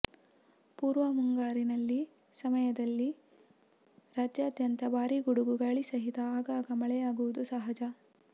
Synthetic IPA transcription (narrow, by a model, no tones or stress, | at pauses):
puːɾʋɐmuŋɡaːɾinɐlːi | sɐmɐjɐd̪ɐlːi | ɾaːd͡ʒjaːd̪jɐnt̪ɐbaːɾiɡuɽuɡuɡɐɭisɐɦit̪ɐːɡaːɡɐmɐɭɛjaːɡuʋud̪usɐɦɐd͡ʒɐ